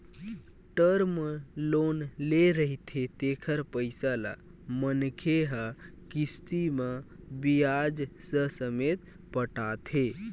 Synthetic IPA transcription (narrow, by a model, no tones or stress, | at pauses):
ʈəɾməlonleɾəɦit̪ʰet̪ekʰəɾpəɪsala̰ | mənkʰeɦa | kist̪iməbijad͡ʒsəsəmet̪ | pəʈat̪ʰe